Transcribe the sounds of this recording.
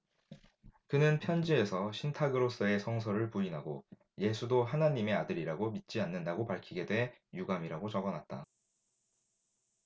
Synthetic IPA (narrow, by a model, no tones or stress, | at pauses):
kɯnɯnpʰjʌnd͡ʑie̞sʰʌɕʰintʰaɡɯɾos͈ɯe̞sʰʌŋs̬ʰʌɾɯɭpuinɦaɡo | je̞sʰudoɦanaɲːime̞adɯɾiɾaɡomit̚t͡ɕ͈ianːɯndaɡopaɭkʰiɡe̞dwe̞ɦjuɡamiɾaɡot͡ɕʌɡʌnat̚t͈a̰